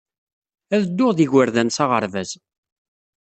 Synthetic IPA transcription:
æðəd̪ːʊʁðiʝwəɾðænsɑʁə̰ɾvæz

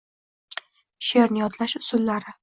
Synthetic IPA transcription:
ʃeɾnɪjɒt̪ʰlaʃʊsʊlːaɾɪ

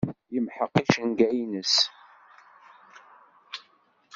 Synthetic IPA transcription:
jəmħəqːiʃənɡæinəs

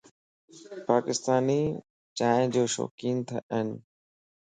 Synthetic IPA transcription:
paːkɪst̪aːniː | t͡ɕaːɪ̃d͡ʑoːʃɔ̰ːkiːnt̪ʰəʔənɪ

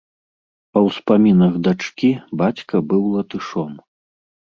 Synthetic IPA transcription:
pɐwspamʲinɐɣd̪at͡ʂkʲibat͡sʲkɐbɨwlˠɐt̪ɨʂɔm

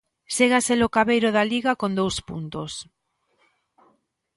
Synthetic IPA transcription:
seɣaselokaβejɾʊðaliɣakond̪owspṵnt̪os

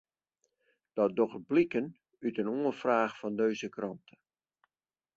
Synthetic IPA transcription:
d̥ɔt̚dɔχblikən | ytənuənfraːxfɔndøɥzəkrɑntʰə

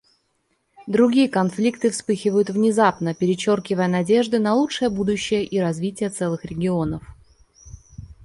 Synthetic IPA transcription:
d̪ɾʊɡʲijəkɐnflʲikt̪ɨfspɨxʲɪvəjʊt̪vnʲɪzapnəpʲɪɾʲɪt͡ɕorkʲɪvəjənɐdʲe̞ʐd̪ɨnɐlˠut͡ʂʂɨjəbud̪ʊɕːɪjəʔiɾɐzvʲitʲɪjət̪sɛlˠɨxɾʲɪɡʲɪo̞nəf

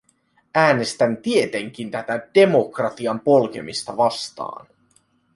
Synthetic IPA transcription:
æːne̞st̪ænt̪ie̞t̪e̞ŋk̟int̪æt̪æd̥e̞mo̞krɑt̪iɑmpo̞lk̟e̞̰mist̪ɑʋɑst̪ɑ̰ːn

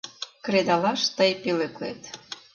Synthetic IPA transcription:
kred̪ɑlɑʃt̪əjpeleklḛt̪

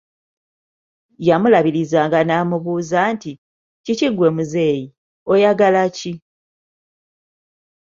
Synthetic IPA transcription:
jamulaβiɾizaːŋɡanaːmuβuːzaːnti | ciciɡwe̞muze̞ːji | o̞jaɡalaci

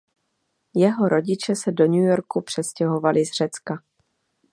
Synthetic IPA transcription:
jɛɦo̞ɾo̞ɟɪt͡ʃɛsɛdo̞ɲujo̞ɾkupr̝̥ɛscɛɦo̞valɪzr̝̥ɛt͡ska

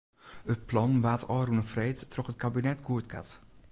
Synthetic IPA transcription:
ɦət̚plɑnʋaːtɔːɾunəfrejtːrɔχət̚kabinɛtɡuətka̰t

